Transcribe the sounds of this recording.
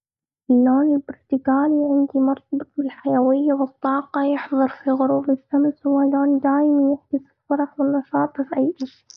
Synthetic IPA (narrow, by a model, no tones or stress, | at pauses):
ʔɪlːoːnɪlbɾt̪ɪkaːliʕɪnd̪imɑɾt̪̚ˤɑbɨt̪̚ˤbɪlħajawɪjːawɨt̪ˤːɑːqɑjɪħðˤɨɾˤfiɣʊɾuːbɪsːamswaloːnd̪aːjmanjɪħd̪ɪsɪlfɑɾˤɑħwɪnːɑʃɑːt̪ˤɨfʕajʔɪ